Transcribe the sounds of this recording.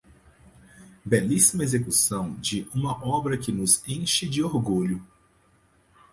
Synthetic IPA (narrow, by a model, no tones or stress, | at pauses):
bɛlisimɐezekusɐ̃w̃d͡ʒɪʔũmɐʔɔbɾɐkɪnʊzẽʃɪd͡ʒɪoɾɡuʎʊ